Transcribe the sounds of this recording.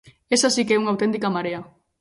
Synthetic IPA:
esasikɛuŋawt̪ent̪ikamaɾea

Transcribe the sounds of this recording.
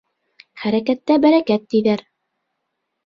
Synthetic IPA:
χæɾækæt̪ːæbæɾækæt̪̚ːijðæɾ

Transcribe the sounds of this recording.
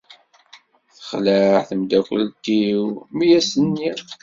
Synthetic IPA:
θə̥χləʕθəmd̪ækʷə̰lt̪iwmijæsənːiʁ

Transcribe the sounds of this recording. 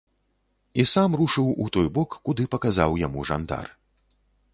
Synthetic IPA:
isamruʂɨwut̪ɔjbɔkːud̪ɨpɐkaza̰wjamuʐa̰nd̪a̰r

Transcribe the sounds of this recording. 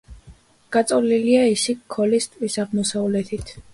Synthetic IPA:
ɡ̥at̪sʼɔliliaisikʰːɔlist̪ʼvisaʁmɔsavlɛt̪ʰit̪ʰ

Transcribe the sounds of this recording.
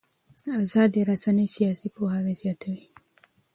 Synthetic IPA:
azɑd̪eɾasanəjsijɑsipohɑwezjɑt̪ʰawi

